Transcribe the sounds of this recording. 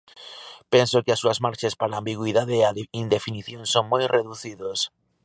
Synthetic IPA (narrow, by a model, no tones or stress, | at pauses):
pensokɪasuɐzmaɾt͡ʃespaɾaːmbiɣwiðaðeːaind̪efiniθjoŋsoŋmojreðuθiðos